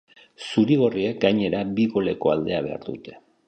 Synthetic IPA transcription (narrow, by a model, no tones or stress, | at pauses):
suɾiɣ̞o̞riekɡajɲe̞ɾabiɣo̞le̞ko̞ald̪e̞aβ̞e̞a̰ɾd̪ut̪e̞̥